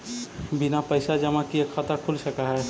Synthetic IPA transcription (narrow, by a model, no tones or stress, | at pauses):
bɪnapəɪsad͡ʒɐmãkiekʰat̪akʰʊlsɐkaɦɛ